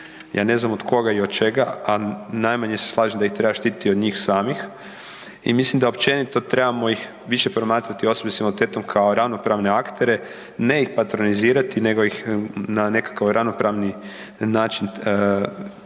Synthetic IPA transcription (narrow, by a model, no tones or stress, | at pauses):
ja̰ːne̞znamod̪kʰo̞ɡaio̞d̪̚t͡ʃe̞ɡaanajmaɲeseslˠaːʒemd̪aixt̪ɾebaʃt̪iːt̪i̥t̪io̞d̪ɲiːxsaːmix | ḭmislimd̪aopt͡ʃe̞nit̪o̞t̪ɾe̞bamo̞jix | ʋiʃepɾomaːt̪ɾat̪io̞sobesimult̪eːt̪omkʰaoɾaʋno̞pɾaːʋne̞akt̪e̞ɾe̞ | ne̞ixpat̪ɾo̞niziːɾat̪ine̞ɡoixnane̞kḁkaʋɾaʋnopɾaːʋni | naːt͡ʃin